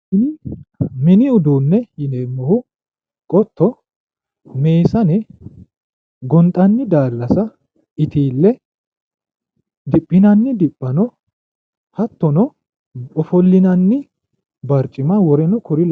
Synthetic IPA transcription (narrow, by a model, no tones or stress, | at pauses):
ɪnɪmɪnɪʊd̪uːnːɛjɪneːmːɔhʊ | kʼɔt̪ːɔ | me̞ːsɐnɛ | ɡɔnt̪ʼɐnːɪd̪aːlːɐsɐ | ɪt̪ʰiːlːɛ | d̪ɪpʼːɪnɐnːɪd̪ɪpʼːɐnɔ | hɐt̪ːɔnɔ | ɔfɔlːɪnɐnːɪ | bɐɾt͡ʃʼːɪmawɔɾɛnɔkʰɔɾɪl